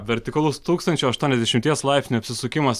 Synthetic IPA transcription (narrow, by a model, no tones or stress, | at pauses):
ʋʲɛɾʲt̪ʲɪkɐlˠʊst̪uːkst̪ɐnt͡ʃʲuɐʃt̪uɔnɛzd̪ʲɛʃʲɪmʲt̪ʲiɛslˠɑˑɪpʲsʲnʲɐpʲsʲɪsʊkʲɪmɐs